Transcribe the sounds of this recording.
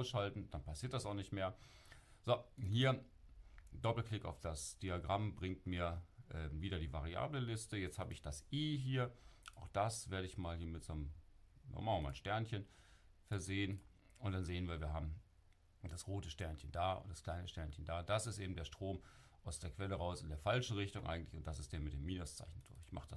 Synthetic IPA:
aʊsʃaltn̩d̥anpʰasiːɐtd̥asaʊxnɪçtmeːɐ | z̥ohiːɐ | dɔpl̩klɪka̰ʊfd̥asd̥iaɡʁambʁɪŋ̚tmiːɐʔɛːviːdɾɐdiːvaʁia̰ːbləlɪstəjɛt͡sthaːbəɪçd̥asʔiːɦiːɐʔaʊxd̥asv̥eːɐɾəɪçmaːlhiːɐmɪtz̥onəmnɔ̰mammaːlʃtɛɐnçən | fɛɐzeːən | ʔʊntd̥anzeːənviːɐviːɐɦaːbm̩ | d̥asʁoːtəʃtɛɐnçəndaːʊ̰ntd̥ḁskl̥aɪnəʃtɛɐnçəndaːd̥asɪstʔeːbm̩deːɐʃtʁ̥oːmʔaʊsd̥eːɐkv̥ɛləʁaʊsɪndeːɐfalʃn̩ʁɪçtʊŋʔa̰ɪɡŋ̩tlɪçʊntd̥as̬ɪstd̥eːɐmɪtd̥eːmːiːnʊst͡sa̰ɪçn̩d̥ʊɐçɪçma̰χəd̥as

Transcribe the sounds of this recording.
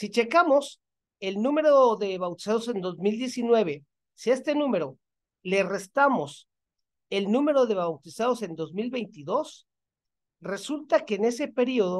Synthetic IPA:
sit͡ʃe̞kamo̞s | e̞lnũme̞ɾo̞ðe̞βawt̪i̥saðo̞se̞nd̪o̞zmild̪je̞sinwe̞β̞e̞ | sie̞st̪e̞nũme̞ɾo̞ | le̞re̞st̪amo̞s | e̞lnũme̞ɾo̞ðe̞βawt̪isaðo̞se̞nd̪o̞zmilβe̞jnt̪iðo̞s | re̞sult̪ake̞ːne̞se̞pe̞ɾio̞ðo

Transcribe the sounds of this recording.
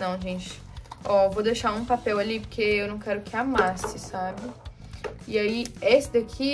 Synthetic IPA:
nɐ̃w̃ʒẽt͡ʃɪ̥ | ɔvod̪eʃaũpapɛwalipoɾkeewnɐ̃w̃kɛɾʊkʰɪamasɪsabɪ | ɪaiesɪd̪akʰi

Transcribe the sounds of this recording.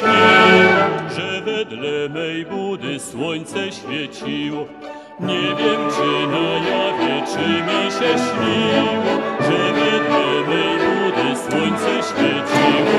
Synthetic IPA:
iɔʐɛvɛd̪lɛmɛjbud̪ɘswɔɲt̪sɛɕfʲjɛt͡ɕiwɔ | ɲɛvʲjɛmt͡ʂɘnajavʲjɛt͡ʂɘmʲiɕɛɕlʲiwɔʐɛvɛd̪lɛmɛjbud̪ɘswɔɲt̪sɛɕfʲjɛt͡ɕiwɔ

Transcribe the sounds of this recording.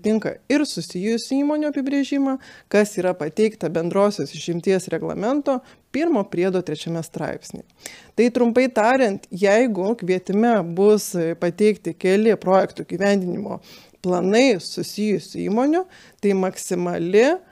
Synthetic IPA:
t̪ʲɪŋkɐ̰ɪɾsʊsʲɪjʊsʲsʲiːmoːnʲʊɐpʲɪbʲɾʲeʒʲɪmɐkɐsiːɾɐpɐt̪ʲɛɪkt̪ɐbʲɛnd̪ɾoːsʲoːsɪʃʲɪmʲt̪ʲiɛsɾʲɛɡlˠɐ̰mʲɛnt̪oː | pʲɪɾmoːpʲɾʲiɛd̪oːt̪ʲɾʲɛt͡ʃʲɛmʲɛst̪ɾɑ̰ɪpʲsʲnʲḛːt̪ɐɪt̪ɾʊmpɐɪt̪ɑːɾʲɪnt̪jɛɪɡʊkʋʲiɛt̪ʲɪmʲɛbʊspɐt̪ʲɛɪkt̪ʲɪkʲɛlʲɪpɾoːjɛkt̪ʊɪɡʲiːʋʲɛnʲd̪ʲɪnʲɪmo̰ː | plˠɐnɐɪsʊsʲɪjʊsʲsʊḭːmoːnʲʊ | t̪ɐɪmɐksʲɪmɐlʲɪ

